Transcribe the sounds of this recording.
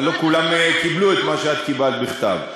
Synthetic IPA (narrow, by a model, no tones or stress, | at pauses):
lo̞kulamkibluet̪maʃead̪kibalt̪biχt̪a̰v